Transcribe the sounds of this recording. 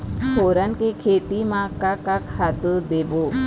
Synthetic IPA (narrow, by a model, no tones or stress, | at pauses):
poːɾənkekʰeːt̪imãkakakhad̪ud̪ebo